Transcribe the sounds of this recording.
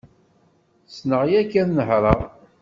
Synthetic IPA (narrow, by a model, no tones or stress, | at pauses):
snəʁjækːænnəhɾˤəʁ